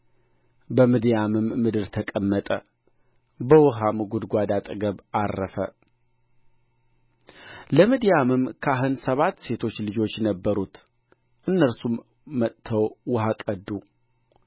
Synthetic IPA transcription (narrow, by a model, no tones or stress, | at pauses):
bəmid̪ijamɨmːɨd̪ɨɾt̪ʰəkʼəmːət̪ʼə | bəwɔɦamɡud̪ɡʷad̪at̪ʼɨɡəβarːəfə | ləmid̪ijamɨmkʰaɦɨnsəβat̪ːse̞t̪ʰo̞t͡ʃːlɨd͡ʒo̞t͡ʃːnəbːəɾut̪ | ʔɨnːəɾsumː | ət̪ʰːəwwəɦakʼəd̪ːu